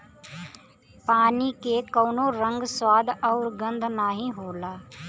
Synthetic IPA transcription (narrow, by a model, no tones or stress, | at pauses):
paːniːkeːkoːnõːɾə̃ŋɡswaːd̪ɔʊɾɡə̃nd̪ʱnaːɦĩːɦoːlaː